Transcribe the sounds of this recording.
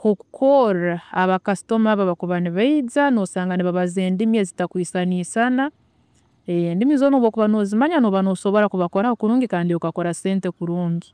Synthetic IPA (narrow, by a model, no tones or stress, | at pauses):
hoku̥kʰo̞ɾaːβakasi̥to̞maβaβakuβaniβaid͡zano̞saːŋɡaniβaβazeːndimjezitakwiːsaniːsana | endimiːzonoβokuβano̞zimaɲanoβano̞so̞βo̞ɾakuβako̞ɾahokuɾuːŋɡikaːndiokako̞ɾase̞ːnte̞kuɾuːɲɡi